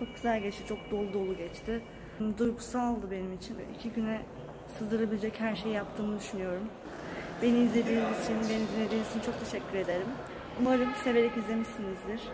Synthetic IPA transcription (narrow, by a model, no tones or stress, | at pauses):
t͡ʃʰo̞k̚ɟyzælʲɟɛt͡ʃ̪ɛt͡ʃʰo̞k̚d̪o̞lˠud̪o̞lˠuɟɛt͡ʃt̪ʰɪ | nd̪ujku̥saalˠd̪ɯbe̞nimit͡ʃʰin̰ḭcʰiɟynɛ | sɯzd̪ɯɾabilʲed͡ʒɛchæɾʃe̞jjapt̪ʰɯːnɯd̪yʃynyjo̞ɾum | be̞niizlʲe̞d̪ilʲimit͡ʃʰinbe̞nimɟynːed̪inist͡ʃʰinit͡ʃʰo̞k̚t̪ʰe̞ʃɛcʰʲːyɾe̞d̪e̞ɾim | umaɾɯmse̞ve̞ɾɛcizlʲe̞miʃinizd̪iɾ̥